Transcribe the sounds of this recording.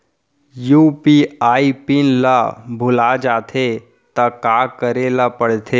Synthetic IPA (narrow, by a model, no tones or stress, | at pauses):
juːpiaːipɪnlabʱʊlad͡ʒaːt̪ʰe | t̪ɐkaːkəɾelapəɽ̤t̪ʰe